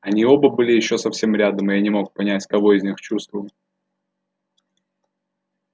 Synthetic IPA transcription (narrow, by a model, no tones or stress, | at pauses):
ɐnʲio̞bəbɨlʲɪjɪɕːo̞sɐfsʲe̞mɾʲad̪əmɨjanʲɪmo̞k̚pɐnʲætʲkɐvo̞ɪzʲnʲixt͡ɕust̪vʊlˠ